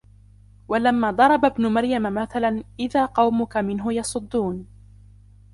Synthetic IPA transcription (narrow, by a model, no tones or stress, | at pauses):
walamːaːd̪ˤɑɾˤɑbabnʊmaɾjamamaθalanʔɪðaːqɑwmʊkamɪnɦʊjɑsˤʊd̪ˤːuːn